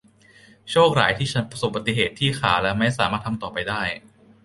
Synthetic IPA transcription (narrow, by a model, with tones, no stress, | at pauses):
t͡ɕʰoː˥˩k̚ɾa̰ː˩˦jt̪ʰiː˥˩t͡ɕʰa˦˥npɾa˧so˨˩ba˨˧t̪i˧ɦeː˨˩t̪ʰːiː˥˩xʰaː˩˦lɛː˦˥wma˥˩jsaː˩˦maː˥˩t̪ʰmt̪ɔː˨˩pa˧jdaː˥˩j